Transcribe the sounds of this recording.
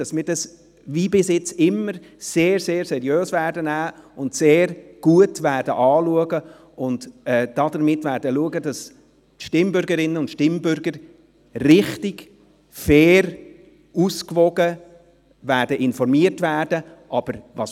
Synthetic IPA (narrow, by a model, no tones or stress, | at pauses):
ɑsmɪːdɑs | viːbɪsjɪt͡sɪmːəɾseːɾseːɾsɛɾjøːsvæːdənæːʊntseːɾɡ̥uətvædəʔɑːluəɡə | ʊndɛːd̥ɑdəɾmɪtvæːɾdəluəɡədɑs | ʃtɪmbʏɾɡəɾɪnənʊntʃtɪmbʏɾɡəɾ | rɪχtɪɡ̥ | fɛːɾ | uskvɔɡə | væːdəʔɪnfɔɾmiətvæːɾd̥ə | ʔɑb̥əɾvɑs